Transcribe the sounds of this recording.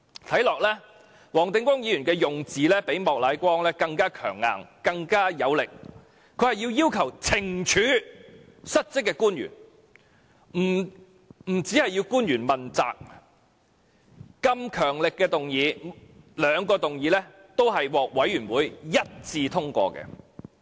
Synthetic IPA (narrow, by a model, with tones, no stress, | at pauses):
t̪ʰɐ˨˥jlɔː˨k̚lɛː˥ | wɔː˨˩ŋt̪ɪ˨˧ŋkʷwʷɔː˥ŋjiː˨˧jyː˨˩nkɛː˧jʊ˨ŋt͡siː˨lɛː˥pe˨˥jmɔː˨k̚la˨˥jkʷɔː˥ŋlɛː˥kɐ˧ŋkaː˥kʰœː˨˩ŋːa̰ː˨ŋkɐ˧ŋkaː˥jɐ˨˧wlɪ˨k̚ | kʰɵ˨˧˥hɐ˨jiː˧wjiː˥wkʰɐ˨˩wt͡sʰɪ˨˩ŋt͡ʃʰyː˨˥ | sɐ˥t̚t͡sɪ˥kːɛː˧kuː˥njy̰ː˨˩n | m̩˨˩ | m̩˨˩t͡siː˨˥hɐ˨jiː˧wkuː˥njyː˨˩nmɐ˨nt͡sa̰ː˨k̚ | kɐ˧mkʰœː˨˩ŋlɪ˨kːɛː˧t̪ʊ˨ŋjiː˨˧lœː˨˧ŋkɔː˧t̪ʊ˨ŋjiː˨˧˥lɛː˥ | t̪o˥wɦɐ˨jwɔː˨k̚wɐ˨˥jɥyː˨˩nwuː˨˥jjɐ˥t̚t͡siː˧t̪ʰʊ˥ŋkʷɔ̰ː˧kɛ̰ː˧